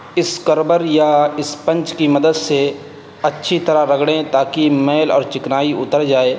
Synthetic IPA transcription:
ɪskəɾbəɾjaɪspɐ̃nt͡ʃkimɐd̪əd̪se | ɐtːʃʰit̪ɐɾaɾɐɡɽẽt̪aːkimeːlɔ̰ːɾt͡ʃɪknaːiʊt̪əɾd͡ʒaːeː

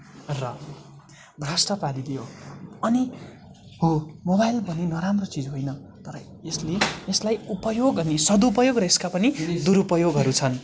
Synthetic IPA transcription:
rʌ | bʱrasʈʌpalid̪ijoʌni | ɦomobajlbʱʌnenʌɾamrot͡sid͡zɦojnʌt̪ʌɾʌ | esleeslajupʌjoɡʌnisʌd̪upʌjoɡrʌeskapʌnid̪uɾupʌjoɡɦʌɾut͡sʰʌn

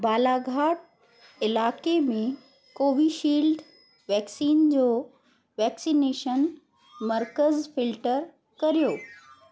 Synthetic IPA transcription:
baːlaɡʱaːʈ̚ | ɪlaːkemẽ | koːʋiʃiːlɖ̪ | ʋɛːksiːnd͡ʑoː | ʋɛːksineːʃən | mɐɾkəzfɪlʈəɾ | kɐɾijoː

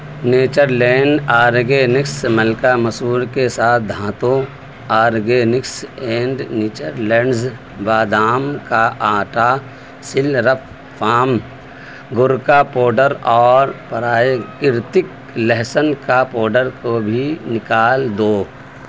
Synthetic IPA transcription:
neːt͡ʃəɾlɛːɳɖaːɾɡeːnɪksməlkaməsuːɾkesaːt̪̚ʰd̪ʱãːt̪õ | aːɾɡeːnɪksɛ̃ːɳɖnɪːt͡ʃəɾlɛ̃ːɳɖz | baːd̪aːmkaʔaːʈa | sɪlɾəpːʰ | aːm | ɡʊɾkapoːɖəɾɔːɾpɐɾaːjkɪɾt̪ɪk | leɦsənkapoːɖəɾkobʱinɪkaːld̪oː

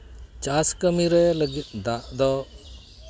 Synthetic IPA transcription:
t͡ʃaskəmiɾɛləɡit̪̚d̪aʔd̪ɔ

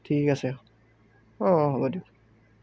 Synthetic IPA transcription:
tʰikasɛ | ɔ̃ɦɔbɔdik

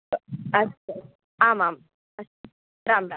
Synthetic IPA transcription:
ɐs | aːmaːm | ɐs | ɾaːmɾa

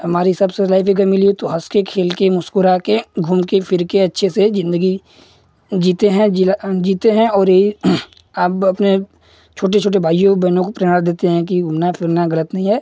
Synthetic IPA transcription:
ɦɐmaːɾiɦɪsɐbselaːɪfiɡəmɪliet̪oɦɐskekʰeːlkemʊskʊɾakeɡʱʊmkepʰɪɾkeɐtːʃʰesezɪ̃nd̪əɡi | d͡ʒiːt̪eɦɛ̃d͡ʒiːt̪eɦɛ̃ɔːɾjeɦi | aːpɐpne | t͡ʃʰoːʈ̬et͡ʃʰoːʈ̬ebʱaːijõbɛːnõkopɾeːaɾd̪eːt̪eɦɛ̃k̬iɡʱʊmnafʰɪɾnaɣɐlət̪nɐɦĩɦɛː

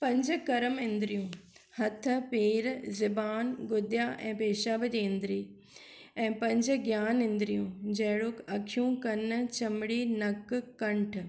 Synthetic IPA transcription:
pɐ̃ɲd͡ʑkɐɾəmɪ̃nd̪ɪɾijũː | hɐt̪ʰəpeːɾzɪbaːnɡʊd̪jaʔɛ̰̃ːpeːʃabd͡ʑiːɪ̃nd̪ɪɾiː | ɛ̃ːpɐ̃ɲd͡ʑɡjaːnɪ̃nd̪ɾijũd͡ʑɐːɦɽʊkɐkʰijũkɐnt͡ɕɐmɽiːnɐkkɐ̃ɳʈʰ

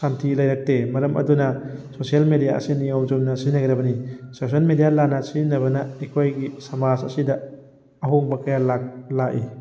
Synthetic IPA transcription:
santʰilɐjɾɐk̚temɐɾɐmʔɐ̰dunɐsosijɐlmedijaɐ̰siniɔwzomnɐsinɐɡɾɐbɐnisos̬ɐlmedijalanɐsinɐβɐnɐekʰojɡisɐmad͡ʒɐ̰sidɐ | ɐɦoŋbɐkɐjalak̚laʔi

